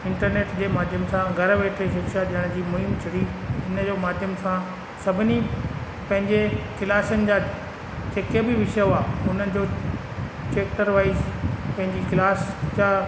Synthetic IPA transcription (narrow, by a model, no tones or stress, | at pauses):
ɪ̃ɳʈəɾneːʈd͡ʑeːmaːd̪ʱjəmsãɡʱɐɾʋeːʈʰeʃɪkʃaɗiəɽ̃d͡ʑiːmʊɦɪ̃mt͡ɕʰɐɽiɦɪnəd͡ʑoːmaːd̪ʱjəmsã | sɐbʱɪni | pɐ̃ɦɪ̃ɲd͡ʑekɪlaːsənɪ̆d͡ʑaː | t͡ɕeːkebɪʋɪʃəjoaːʊn̤ənɪ̆d͡ʑoː | t͡ɕeːkʈəɾʋaːizpɐ̃ɦɪ̃ɲd͡ʑikɪlaːsd͡ʑaː